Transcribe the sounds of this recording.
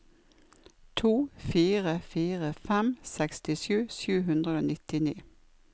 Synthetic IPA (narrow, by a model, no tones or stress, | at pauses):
t̪ʰuːfiːʁəfiːʁəfɛmsɛkst̪ɪʃjʉːsjʉːɦʉnd̪ʁəoːnɪt̪ɪniː